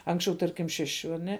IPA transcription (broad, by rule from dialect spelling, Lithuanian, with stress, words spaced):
ˈɐŋksʲt͡ʃʲɛʊ ˈtɐrʲkʲɪm ˈʃʲæːˌʃʲʊ ɐˈnʲɛ